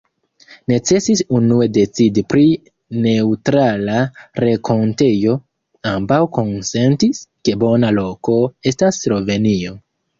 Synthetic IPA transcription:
ne̞t͡se̞sisunue̞de̞t͡sidipɾi | ne̞utɾalaɾe̞kʰo̞nte̞jo̞ | ambawko̞nse̞ntiske̞bo̞nalo̞ko̞e̞stasːɾo̞ve̞nio̞

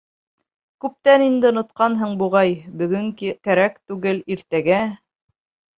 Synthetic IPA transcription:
kʉp̚t̪ænind̪ɘŏnŏt̪̚qɑnɦɤɴbuʁɑjbɵ̆ɡɵŋkkæɾækt̪ʉɡɘliɾt̪æɡæ

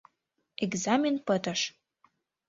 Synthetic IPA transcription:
eɡzɑmʲenpət̪ə̆ʃ

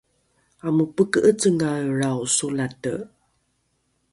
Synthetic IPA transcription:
amupəkəʔət͡səŋaɭrawsulatə̰

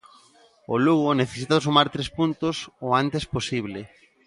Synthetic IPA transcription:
oluɣoneθesit̪aosumaɾt̪ɾespunt̪ʊsoant̪esposiβ̞le

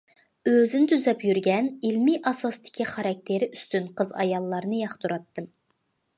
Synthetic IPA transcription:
øzɪnt̪ʰyzɛpjyɾɡʲɛnilmiʔɑsɑst̪ʰɪ̥kʲiχɑɾɑk̚ʲt̪ʰeɾɪyst̪ynqʰəzɑ̰jɑlˠːɑɾnɨjɑχt̪uɾɑt̪ːɨm

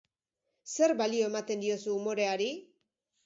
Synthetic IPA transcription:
se̞ɾbalio̞e̞mat̪e̞nd̪io̞suːmo̞ɾe̞aɾi

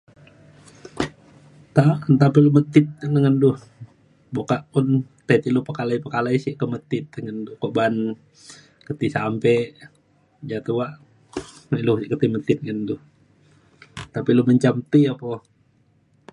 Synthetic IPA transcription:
t̪aənt̪apilumət̪ɪt̪̚ənəŋənduh | bokaʔpunt̪et̪ilupəkalaipəkalaisiʔkəmət̪ɪt̪̚əŋənduhkoʔban | kət̪isampɛʔ | d͡ʒat̪uwaʔ | milusikət̪imət̪ɪt̪̚ŋənduh | t̪apiluməɲt͡ʃamt̪iapo

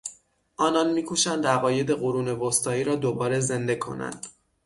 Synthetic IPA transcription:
ʔɒːnɒnmiːkʰuːʃænd̪æɣɒːje̞d̪e̞ɣoɾuːne̞vost̪ɒːiːɾɒːd̪obɒːɾe̞ze̞nd̪e̞kʰo̞̰næ̰nd̪̥

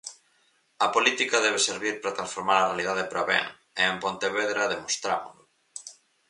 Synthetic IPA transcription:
ɐpolit̪ikɐðɛβ̞eseɾβiɾpɾɐt̪ɾãnsfoɾmaɾɐrealið̞aðepɾaβɛ̰ŋ | eempont̪eβeðɾɐðemost̪ɾa̰mʊ̰lʊ

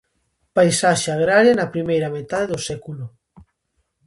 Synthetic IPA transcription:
pajsaʃeaɣ̞ɾaɾjanapɾimejɾamet̪aðeðosɛkulo

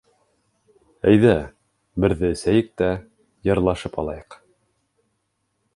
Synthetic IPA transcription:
æjðæ | bɘ̆ɾðɘsæjɘk̚t̪æ | jɤ̆ɾlˠɑʃɤpɑ̰lˠɑjɤq

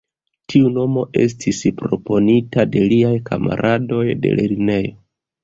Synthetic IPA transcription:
tʰiuno̞mo̞ʔe̞̰stʰispɾo̞po̞nitade̞liajkʰa̰ma̰ɾʔado̞jde̞̰lʔḛline̞jo̞

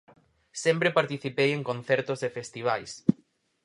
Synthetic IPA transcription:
sempɾepaɾt̪iθipejẽŋkõnθɛɾt̪ʊzðefest̪iβ̞ajs

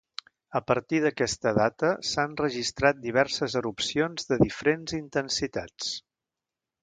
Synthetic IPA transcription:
əpəɾt̪iðəkɛst̪əðat̪əsanrəʒist̪ɾat̪̚d̪iβ̞ɛɾsəzəɾupsionzðəðifəɾenzint̪ənsit̪at͡s

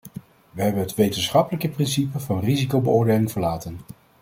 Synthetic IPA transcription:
ʋəɦɛbənɦətʋejtənsχɑpələkəprɪnsipəvɑnrizikowbəʊːɹdejlɪŋvəɹlaːtən

